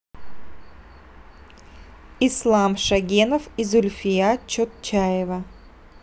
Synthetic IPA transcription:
ɪslˠamʂɐɡʲenəfizʊlʲfʲɪjat͡ɕot̪t͡ɕajɪvə

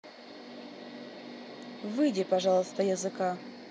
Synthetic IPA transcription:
vɨdʲɪpɐʐɑlˠəst̪əjəzɨka

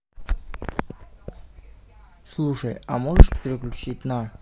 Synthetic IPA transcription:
slˠuʂəjamoʐəʂpʲɾʲɪklʲut͡ɕitʲna

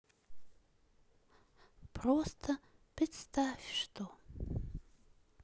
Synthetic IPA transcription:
pʰrost̪ʰɐpɾɪt̪st̪ʰafʲʂt̪ʰo

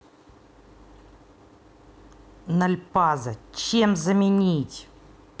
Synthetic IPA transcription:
nɐlʲpazət͡ɕemzəmʲɪnʲitʲ

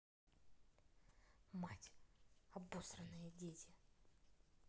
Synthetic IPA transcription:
matʲɐbost̪ɾənːəjədʲetʲɪ

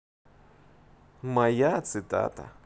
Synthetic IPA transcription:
mɐjat̪sɨt̪a̰t̪ə̰

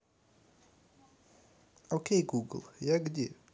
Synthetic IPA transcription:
okejɡuːɡl̩ˠjɛɡd̪ʲje

